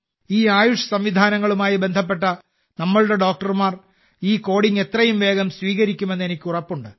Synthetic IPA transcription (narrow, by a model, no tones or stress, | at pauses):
iːaːjuʂjɐsɐmʋid̪ʱaːnɐŋːɐɭumaːjibe̞nd̪ʱɐp̬ːe̞ʈːɐ | nɐmːɐɭuɽe̞ɖo̞ːk̚ʈɐrmaːr | iːko̞ːɽiŋe̞t̪rɐjumʋe̞ːɡɐmsʋiːɣɐɾikʲːume̞nːe̞nikʲːurɐpːuɳɖɨ